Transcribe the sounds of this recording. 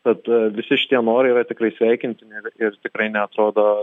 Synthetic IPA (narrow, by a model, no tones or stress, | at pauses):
t̪ɐt̪ʋʲɪsʲɪʃʲɪ̥t̪ʲiɛnoːɾɐɪiːɾɐt̪ʲɪkɾɐɪsʲʋʲɛɪkʲɪnʲt̪ʲɪnʲɪɪrɪrt̪ʲɪkɾɐɪnʲɛɐt̪ɾoːd̪oː